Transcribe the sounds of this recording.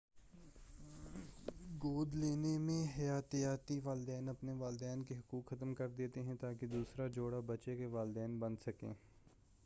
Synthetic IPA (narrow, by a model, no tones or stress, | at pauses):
ɡoːd̪leːnemẽɦɐjaːt̪jaːt̪iʋaːld̪ɛːnəpneʋaːld̪ɛːnkeɦɐkuːkxət̪mkəɾd̪eːt̪eɦɛ̃t̪aːked̪uːsɾad͡ʒoːɽabət͡ʃekeʋaːld̪ɛːnbənsəkḛ̃ː